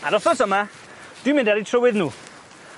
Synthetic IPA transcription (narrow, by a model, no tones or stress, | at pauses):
aɾɔθɔsəma | d̥wimɪ̃ndaɾitʰrəwɪðnuː